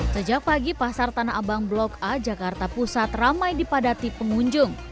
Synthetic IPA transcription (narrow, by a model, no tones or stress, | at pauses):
səd͡ʒak̚paɡipasart̪anaʔabaŋblɔkad͡ʒakart̪apusat̪ramajdipadat̪ipəŋuɲd͡ʒʊŋ